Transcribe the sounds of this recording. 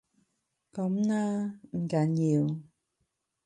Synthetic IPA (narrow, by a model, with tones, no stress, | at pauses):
kɔ˨˦m˦na˧n̩˨ka˨ɲi˨ə˨w